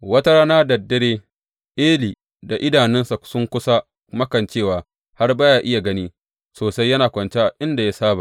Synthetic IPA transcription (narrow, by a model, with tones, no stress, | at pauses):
wɐ˦tɐ˦ɾa˦naː˦dɐ˨dːɐ˦ɽeː˦ | ʔeː˦liː˨ | da˨ʔɪ˦daː˨nɪ˦nsa˨sʊ˦ŋkʷʊ˦sa˦ | mɐ˦kɐ˨nt͡ʃeː˦˨waː˨ | ha˦rbaː˦jaː˨ʔɪ˦ja˨ɡɐ˦niː˦ | soː˨sa˦jːɐ˦naː˨kʷɐ˨nt͡ʃe˦ʔa˨ʔɪ˦nda˨ja˦saː˦ba̰˨